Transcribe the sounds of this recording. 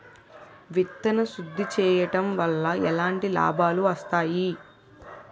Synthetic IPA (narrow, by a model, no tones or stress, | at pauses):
ʋit̪ːɐnɐʃud̪ʱːit͡ʃɛːjɐʈɐmʋɐlːɐɛlaːɳʈila̰ːbʱaːluɐst̪aːji